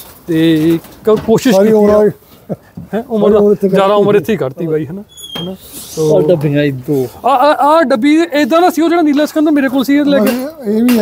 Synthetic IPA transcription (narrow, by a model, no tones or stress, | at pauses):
t̪eː | koːʃɪʃia | ɦɛ̃ːʊməɾãd͡ʒjaːd̪aːʊməɾɪt̪ʰːeiːkəɾt̪iːbaːiːɦɛnaːɦɛːnaːoɖəbi | aaːɖəbiːed̪ãːnaːsiːoːd͡ʒeːɽaːniːlaːsə̥kənd̪aːmeːɾeːk̬oːlsiːet̪lɛːke